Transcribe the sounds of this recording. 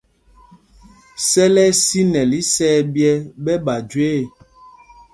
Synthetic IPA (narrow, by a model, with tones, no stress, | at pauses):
sɛ˦lɛ˦si˦nɛ˨li˨˦sɛː˦bjɛ˦bɛ˦ba˨d͡ʒweː˦˨